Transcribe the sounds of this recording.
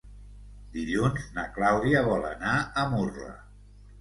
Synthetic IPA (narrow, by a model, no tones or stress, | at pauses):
d̪iʎunznəklawðiəβ̞ɔlə̰naəmurə̰